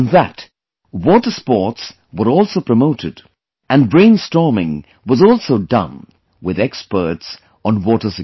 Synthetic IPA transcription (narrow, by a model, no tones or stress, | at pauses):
nðə̰t | wɔtə˞spɔɹts | wə˞ɔlˠsoʊpʰɹ̥əmoʊɾʰɨd | ɨ̃nbɹẽɪ̃nstɔɹmɪ̰̃ŋ | wʌzɔlˠsoʊdʌ̰̃m | wɪðɛkspə̰˞ts | n̩wɔɾə˞sɨ